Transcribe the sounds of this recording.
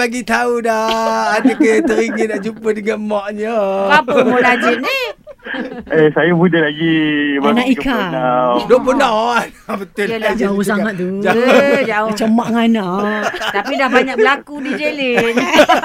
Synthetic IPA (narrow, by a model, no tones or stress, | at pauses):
aɡit̪audaadəkət̪əɾiŋinaʔd͡ʒupədəŋanmɔʔɲəapmolad͡ʒɪt̪̚ni | esajamudalaɡibanaʔikanadoʔbənɔnabət̪ʊlad͡ʒaausaŋat̪̚t̪ud͡ʒad͡ʒaʊt͡ʃəmaʔŋanat̪apidahbaɲak̚bəlakudid͡ʒelin